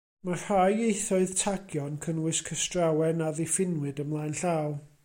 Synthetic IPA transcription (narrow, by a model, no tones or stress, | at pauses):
mar̥ajejθɔɨð̥tʰaɡjɔnkʰənwɨskʰəstrawɛnaðefɪnwɨdəmlˠaːjnɬaːw